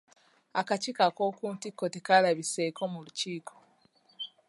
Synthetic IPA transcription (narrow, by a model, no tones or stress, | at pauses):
akacikako̞kuːntikːotekalaβisekomuluciːkʰo